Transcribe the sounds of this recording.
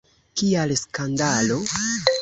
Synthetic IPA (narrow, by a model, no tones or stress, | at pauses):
kialskandalo̞